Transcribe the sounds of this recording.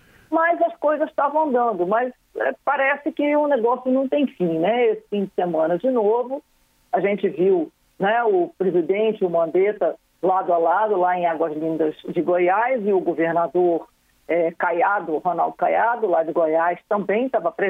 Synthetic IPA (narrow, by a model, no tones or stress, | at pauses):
mɐzɐskojzɐst̪avɐ̃d̪ɐ̃nd̪ʊmɐs | ɛ̰paɾɛsɪkɪʊneɡɔsjʊnɐ̃w̃t̪ẽj̃fĩnɛesɪ̥fĩd͡ʒɪsemɐ̃nɐd͡ʒɪnovʊ | aʒẽnt͡ʃɪviw | nɛʊpɾezid̪ẽnt͡ʃɪʊmɐ̃nd̪et̪ɐ | lad̪ʊalad̪ʊlaẽj̃aɡwɐzlĩnd̪ɐzd͡ʒɪɡojajzɪʊɡoveɾnad̪oɾ | ɛkajad̪ʊɦona̰wˠd̪ʊkajad̪ʊlad͡ʒɪɡojajst̪ɐ̃mbẽj̃t̪avɐpɾe